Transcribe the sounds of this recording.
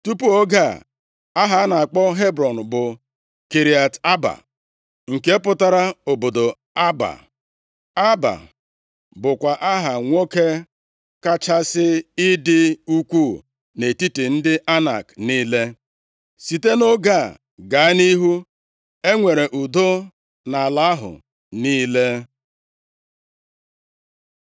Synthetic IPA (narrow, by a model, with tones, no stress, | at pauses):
tu˦pu˦o˦ɡa˦˨ | a˦ɦa˨a˦na˨k͡pɔ˦ɦe˦bɾɔ˨n̩˨bʊ˨ | ki˨ɾi˨a˨ta˦ba̰˨ | ŋ̩˨ke˦pʊ˦ta˦ɾa˦o˨bo˨do˨ | a˦ba̰˨ | a˦ba̰˨ | bʊ˨kʷa˨ʔa˦ɦa˨ŋʷo˦ke˦ | ka˦t͡ʃa˦sɪ˦ɪ˦dɪ˦u˦kʷu˦˨ | ne˨ti˦ti˨n̩˦dɪ˦ʔa˦na̰˨kniː˦le˦ | si˨te˦no˦ɡa˦˨ | ɡa˨˦a˦ni˦ɦu˦ | e˦ŋʷe˨ɾe˨ʔu˨do˦ | na˨la˦ɦʊ̰˨ | niː˦le˦